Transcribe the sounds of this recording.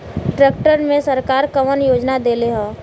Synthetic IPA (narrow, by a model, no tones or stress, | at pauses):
ʈɾeːk̚ʈəɾmẽsəɾkaːɾkəʋənjoːd͡ʒnad̪eːleɦɔ̃ː